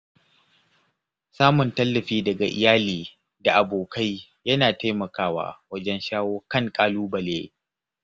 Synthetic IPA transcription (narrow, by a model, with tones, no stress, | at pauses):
saː˦mʊ˨ntɐ˦lːɐ˨ɸiː˦dɐ˨ɡa̰˨ʔɪ̰˨jaː˦liː˨ | da˨ʔa˨boː˨kʰa˦j | jɐ˦naː˨ta˦jmɐ˨kaː˦wa̰ː˦˨wɐ˦d͡ʒɛ˦nʃaː˦woː˦kɐ˦ŋkʼaː˦luː˦bɐ˨lḛ˦